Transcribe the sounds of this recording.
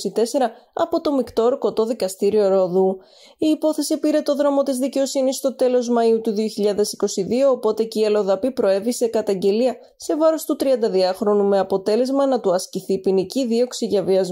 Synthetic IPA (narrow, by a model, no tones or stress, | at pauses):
sit̪e̞se̞ɾɐɐ̰po̞t̪o̞mikt̪o̞ɾko̞t̪o̞ðikɐst̪iɾio̞ɾo̞ðu | iːpo̞θe̞sipiɾe̞t̪o̞ðɾo̞mo̞t̪izðice̞o̞sinisːt̪o̞t̪e̞lo̞zmɐiut̪uðio̞çiʎɐðe̞si̥ko̞siðio̞ːpo̞t̪e̞ceiɐlo̞ðɐpipɾo̞e̞vise̞kɐt̪ɐɲɟe̞liɐ | se̞vɐɾost̪ut̪ɾiɐnd̪ɐðiɐxɾo̞nume̞ɐpo̞t̪e̞le̞zmɐnɐt̪uɐsciθipiniciðio̞ksiʝɐviɐz